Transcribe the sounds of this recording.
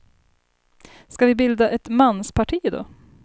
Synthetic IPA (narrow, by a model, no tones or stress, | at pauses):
skavɪbɪld̪aʔɛt̪manːspʰaʈʰiːd̪ɔ̰